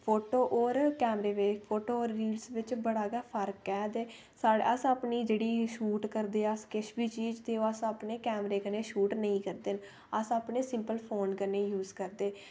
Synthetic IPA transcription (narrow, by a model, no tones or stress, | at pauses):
pʰoːʈoːʔoːɾkɛːmɾeːʋepʰoːʈoːoːɾːiːlsʋɪt͡ʃbəɽaːɡaːpʰəɾkɛːd̪eː | saːɽəsaːpniːd͡ʒeːɽiːʃuːʈkəɾd̪eːəskɪʃbiːt͡ʃiːd͡ʒt̪eːoːəsaːpneːkɛːmɾeːkəneːʃuːʈnəĩːkəɾd̪en | əsaːpneːsɪmpəlpʰoːnkəneːjuːzkəɾd̪eː